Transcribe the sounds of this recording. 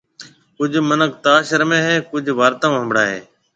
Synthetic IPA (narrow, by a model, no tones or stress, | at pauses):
kʊd͡ʒʱmənəkt̪aːʃəɾmẽːɦeːkʊd͡ʒʱʋaːɾt̪ãːɦə̃mbɽaːɦḛː